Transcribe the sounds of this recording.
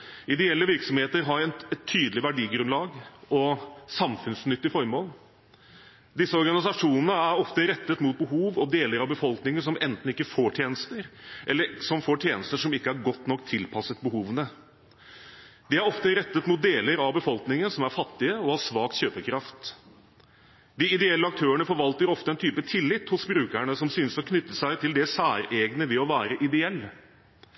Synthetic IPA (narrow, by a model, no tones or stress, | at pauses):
ɪd̪ɛɛlːəʋɪɾksɔmheːt̪əɾɦɑɾɛnɛt̪ʰːyːd̪l̩ɪʋæɖiːɡɾʉnlɑːɡɔsɑmfʉnsnʏt̪ːɪfɔɾmoːl | d̪ɪsːəɔɾɡɑnɪsɑʂuːnənəæɾɔft̪əɾɛt̪ːət̪mʊt̪̚bəɦuːʋɔd̪eːləɾɑʋbəfɔlknɪŋəʂɔmɛnt̪n̩ɪkːəfoːʈʰjeːnəst̪əɾʔɛlːəɾʂɔmfoːʈʰjeːnəst̪əʂɔmɪkːəæɾɡɔt̪ːnɔkt̪ʰːɪlpʰɑsət̪̚bəhuːʋənə | d̪ɪæɾɔft̪əɾɛt̪ːət̪mʊt̪̚d̪eːləɾɑʋbəfɔlknɪŋənsɔmæɾfɑt̪ːɪəɔhɑʂʋɑːk̪ɕøːpəkʰɾɑft̪ | d̪ɪɪd̪ɛɛlːəɑk̚t̪ʰøːəɳəfɔɾʋɑlt̪əɾɔft̪əɛnt̪ʰyːpət̪ʰɪlːɪt̪hʊsbɾʉːkæɳəsɔmsyːnəsɔkʰnʏt̪ːəsæɪt̪ʰɪld̪ɛsæːɾeːɡnəʋɛɔʋæːɾəʔɪd̪ɛɛlː